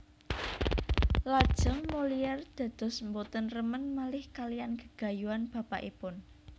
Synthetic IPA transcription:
lad̥ʒ̥ə̤ŋmoliɛrd̪̥ä̤d̪̥ɔ̤smbot̪ənrəmənmalɪhkalijankə̥ɡ̥a̤juanb̥ä̤pa̰ʔḭpʊn

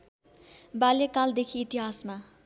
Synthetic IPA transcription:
baljekald̪ekʰiːt̪iɦasma

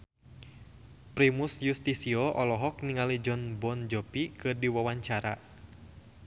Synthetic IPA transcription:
pɾimusjust̪isiɔʔɔlɔɦɔk̚niŋalid͡ʒɔnbɔnd͡ʒɔpikɨrdiwawaɲt͡ʃaɾa

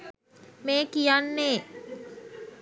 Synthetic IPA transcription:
meːkijanːeː

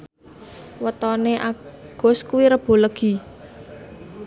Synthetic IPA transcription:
wət̪ɔneʔaɡ̥ɔ̤skuwiɾəb̥o̤ləɡ̥i̤

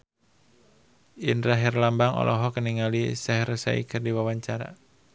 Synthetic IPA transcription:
ʔinɾaɦirlambaŋɔ̰lʔɔɦɔkəniŋalisɛɦrsa̰ḭkʰɨrdiwawaɲt͡ʃaɾa̰

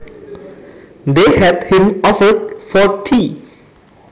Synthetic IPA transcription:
d̪ehædhɪ̃mɔfədfɔɹt̪ʰiː

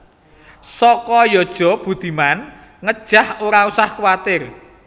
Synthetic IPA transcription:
sɔkɔjɔd̥ʒ̥ɔ̤b̥ṳd̪̥i̤man | ŋəd̥ʒ̥a̤hoɾausahkwat̪ɪr

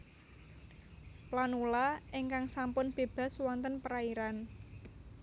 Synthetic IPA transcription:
planulaɪŋkaŋsampʊnb̥e̤b̥a̤swɔnt̪ənpəɾaiɾan

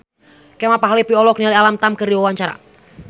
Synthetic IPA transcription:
kɛmapaɦalipiɔlɔk̚nialialamt̪amkərdiwawaɲt͡ʃaɾa̰

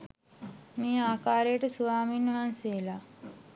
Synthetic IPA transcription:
meːaːkaːɾejəʈəsuʋaːminːəʋanseːla

